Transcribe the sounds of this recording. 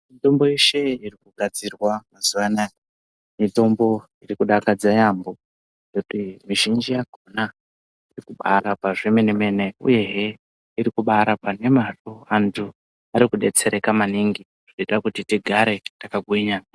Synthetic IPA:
mito̞mbo̞iʃe̞irikuɡʱad͡zirwamazuʋanaj | mito̞mbo̞ | irikuɗakad͡zajambo̞ | rekutimiʒind͡ʒijaɡʱona | irikuɓaɾapaʐemeneme̞neṵje̞ɦe | iɾikuɓaɾapane̞maroantʰu | aɾikuɗe̞t͡se̞ɾe̞kamaniŋɡi | ʐ̥ietrakutitiɡʱaɾe̞takaɡʱwiɲa

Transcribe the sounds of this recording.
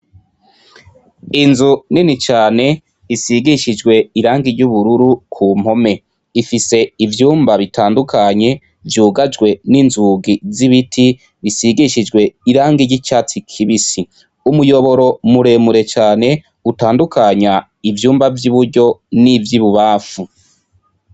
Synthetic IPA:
inzuninit͡ʃaːne̞ | isiɡiʃid͡ʒɡwe̞iɾaːŋɡiɾɟuβuɾuɾukʰum̥ho̞me̞ | ifise̞ivjuːmbaβitʰaːndukʰaɲe̞ | vjuːɡad͡ʒɡwe̞ninzuɡiziβitʰi | βisiɡiʃid͡ʒɡwe̞iɾaːŋɡiɾɟit͡ʃaːt͡sikʰiβisi | umujo̞βo̞ɾo̞muɾemuɾe̞t͡ʃaːne̞ | utaːndukaɲa | ivjuːmbavjuβuɾɟo̞nivjiβuβaːfu

